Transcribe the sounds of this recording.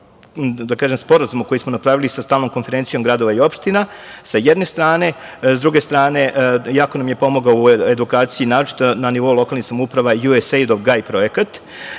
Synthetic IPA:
d̪akaːʒemspo̞ɾazumuko̞jismonapɾaːʋilisast̪aːlno̞mko̞nfe̞ɾentsijo̞mɡɾad̪o̞ʋaio̞pʃt̪inasajɛd̪ne̞st̪ɾaːne̞zd̪ɾuɡe̞st̪ɾaːne̞ʔjaːkonamje̞po̞moɡaoued̪ukaːt̪siinaːɾot͡ʃi̥t̪onaniʋo̞ulˠo̞kalnixsamoupɾaʋajuesejd̪oʋɡaipɾo̞je̞kat̪

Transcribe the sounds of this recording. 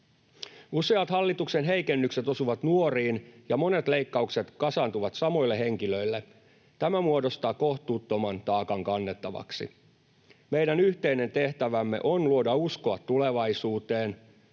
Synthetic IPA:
useɑt̪hɑlːit̪uksenɦe̞ikenːykset̪o̞suʋɑt̪nuoriːnjɑmo̞ne̞t̪le̞ikːɑukse̞t̪kɑsɑnt̪uʋɑt̪sɑmo̞ilːeɦe̞ŋkiløilːe | t̪æmæmuodost̪ɑːko̞ht̪uːt̪ːomɑnt̪ɑːkɑŋkɑnːe̞t̪ːɑʋɑ̰ksḭ | me̞jdænyht̪eine̞nt̪eht̪æʋæmːe̞̰ʔonluodɑuskoɑt̪ːule̞ʋɑisuːt̪eːn

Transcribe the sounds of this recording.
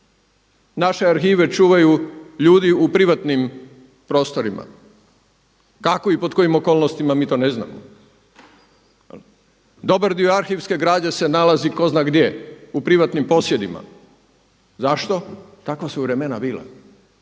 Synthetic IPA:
naʃe̞aɾxiːʋe̞t͡ʃuːʋajuʎuːd̪iupɾiʋat̪nim | pɾo̞ːst̪o̞ɾimʔa̰ | kakoipo̞t̪̚ko̞jimo̞ko̞ːlnost̪imamiːt̪o̞ːne̞zna̰ːmo̰ | d̪o̞baɾd̪ioaɾxiʋske̞ɡɾaːd͡ʑe̞se̞nalaziko̞znaɡd̪jeupɾiʋat̪nimpo̞sjed̪ima̰ | zaʃt̪o̞t̪akʋasuʋɾe̞me̞nabiːla̰

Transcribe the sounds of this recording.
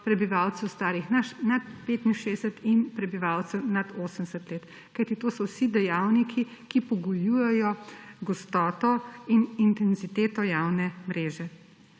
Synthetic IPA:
pɾɛbiʋawt̪sɛwst̪aːɾixnanat̪̚peːt̪inʃeːsət̪inpɾɛbiʋaːwt̪sɛwnad̪oːsəmɛsət̪leːt̪ | kajt̪it̪oːsɔwsid̪ɛjaːwnikʰikipɔɡujuːjɛjɔɡɔst̪ɔːt̪ɔinint̪ɛnzit̪eːt̪ɔjawnɛmɾeːʒɛ

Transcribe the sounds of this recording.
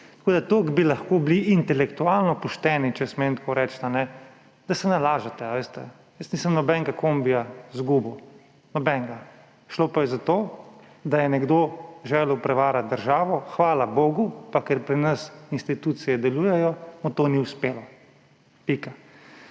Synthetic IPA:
t̪ḁkoːd̪at̪okbilaxkoːbliʔːnt̪ɛlɛkt̪uaːlnɔpɔʃt̪ɛːnit͡ʃɛsment̪kʰoɾɛːt͡ʃt̪anɛ | d̪asɛnalaːʒat̪ɛaʋeːst̪ɛ̰ | jəst̪niːsəmnɔbɛŋɡakombijazɡuːbu | nɔbɛŋɡa | ʃlopajɛzat̪oː | d̪ajɛnɛɡd̪oːʒɛːlɛwpɾɛʋaːɾat̪̚d̪əɾʒaːʋɔxʋaːlaboːɡupakɛɾpɾinɐsinst̪it̪uːt̪sijɛd̪ɛluːjɛjɔmɔt̪oːniwspeːlɔ | pika

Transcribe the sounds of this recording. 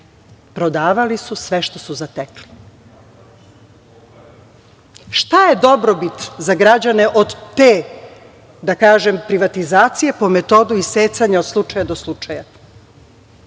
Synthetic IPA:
pɾo̞d̪aːʋalisusʋeʃt̪o̞suzat̪ekli̥ | ʃt̪ajed̪o̞bɾobit̪zaɡɾad͡ʑane̞ʔo̞d̪t̪eː | d̪akaːʒempɾiʋat̪izaːt̪sije̞po̞met̪o̞d̪uiseːsaɲao̞d̪slˠut͡ʃajad̪o̞slˠut͡ʃaja

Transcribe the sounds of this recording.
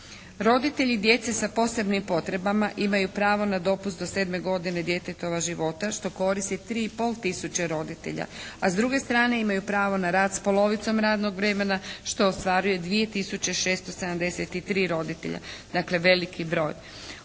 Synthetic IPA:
ɾo̞d̪it̪e̞ʎid̪je̞t̪sesapo̞se̞bnimpo̞t̪ɾe̞bamaʔimajupɾaːʋo̞nad̪o̞pust̪d̪o̞se̞ːd̪me̞ɡo̞d̪ine̞d̪je̞t̪et̪o̞ʋaʒiʋo̞t̪aʃt̪o̞ko̞ɾist̪it̪ɾiːipo̞ːlˠt̪isut͡ɕeɾo̞d̪it̪e̞̰ʎa̰azd̪ɾuɡe̞st̪ɾaːne̞imajupɾaːʋo̞naɾaːd̪spo̞lo̞ʋit̪so̞mɾaːd̪no̞ɡʋɾe̞me̞naʃt̪o̞ːst̪ʋaːɾuje̞d̪ʋije̞t̪isut͡ɕe̞ʃe̞ːst̪o̞sed̪amd̪e̞set̪it̪ɾiːɾo̞d̪it̪ḛʎa̰d̪akle̞ʋe̞likʰibɾo̞ːj

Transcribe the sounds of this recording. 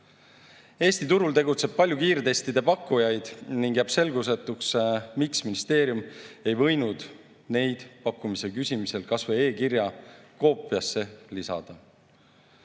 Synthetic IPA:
e̞ːst̪it̪uɾult̪e̞ɡut̪se̞b̥̚pɑlʲjukiːrt̪e̞st̪id̪e̞pɑkːujɑjd̪̥niŋɡ̥jæb̥se̞lɡus̬et̪ːˑuksmiksminist̪e̞ːɾjume̞jvɤ̞jnud̪̥ | ne̞jd̪̥pɑkːˑumise̞kysʲimise̞lkɑsvee̞ːkiɾjɑko̞ːpːˑiɑsːe̞lisɑ̰d̪̥ɑ

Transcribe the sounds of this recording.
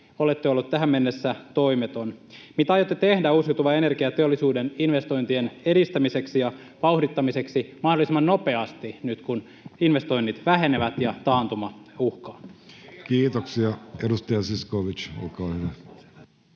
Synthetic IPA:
olet̪ːøolːut̪t̪ːæɦæmme̞nːesːæt̪o̞imet̪onmit̪æɑjot̪ːet̪e̞hdæusiut̪uʋɑe̞ne̞rkiɑt̪eolːˑisuːdeninʋe̞st̪o̞jnt̪iene̞dist̪æmise̞ksijɑ | ʋɑuhdit̪ːɑmise̞ksimɑhdolisimːɑnno̞pe̞ɑst̪inyt̪kun | inʋe̞st̪o̞inːit̪ʋæɦe̞neʋæt̪jɑt̪ɑːnt̪umɑuhkɑːkiːt̪oksiɑedust̪ɑjɑsiskoʋit͡ʃo̰lkɑːhyʋæ

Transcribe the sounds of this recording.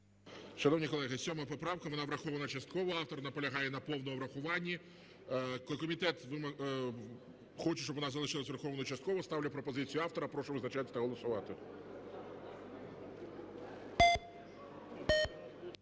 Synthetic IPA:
ʃɐnɔwnʲikɔlˠɛɦɪsʲɔmɐpɔpɾɑwkɐʋɔnɑʋɾɐxɔʋɐnɐt͡ʃɐst̪̚kɔʋɔɑwt̪ɔrnɐpɔlʲɐɦɑjɛnɐpɔwnɔɔʋɾɐxʊʋɑnʲːi | kˠkɔmʲit̪ɛt̪ʋɪm | xɔt͡ʃɪʃt͡ʃɔbʋɔnɑzɐlˠɪʃɪlˠɐsʲʋʲɪrxɔʋnɔt͡ʃɐst̪̚kɔʋɔst̪ɑwlʲɐpɾɔpɔzɪt͡sʲijʊɑft̪ɔɾɐpɾɔʃɔʋɪznɐt͡ʃat̪ʲːɐt̪ɐɦɔlˠɔsʊʋɑt̪ɪ

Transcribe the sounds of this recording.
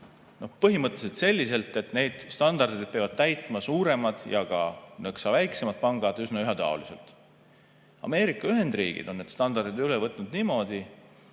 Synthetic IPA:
no̞hpɤɦimɤt̪ːˑeset̪se̞lʲːise̞lt̪ːˑe̞t̪ne̞jd̪̥st̪ɑnd̪ɑrd̪id̪̚pevɑd̪̥̚t̪æjt̪ˑmɑsuːɾe̞mɑd̪̥jɑɡ̥ɑ̰neksɑvæjkse̞mɑt̪̚pɑŋɡ̥ɑd̪̥ysnɑyɦɑt̪ɑ̰o̰liselt̪ˑ | ɑ̰me̞ːɾikːˑɑyɦe̞nd̪rḭːɡ̥ḭd̪̥o̞nːe̞d̪st̪ɑnd̪ɑrd̪id̪ylevɤt̪ˑnud̪niːmo̞ːd̪̥i

